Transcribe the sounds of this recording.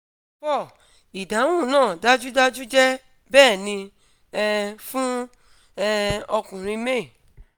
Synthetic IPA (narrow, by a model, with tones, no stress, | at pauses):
pɔ˦˨ | i˨da˨˦w̃ũ˦˨nãː˦˨da˦d͡ʒu˦da˦d͡ʒu˦d͡ʒɛ˦ | bɛː˦˨nĩ˧ | ɛ˦fũ˦ | ɔ˧kũ˨ɾ̃ĩ˧me˦˨